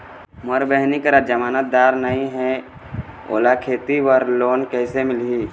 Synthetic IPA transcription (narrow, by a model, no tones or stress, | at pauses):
məɾbɛɦnikəɾəd͡ʒəmaːnət̪̚d̪aːɾnəɦĩɦɛ̃ | o̰ːlakʰeːt̪iwəɾloːnkɛːsemɪlɦiː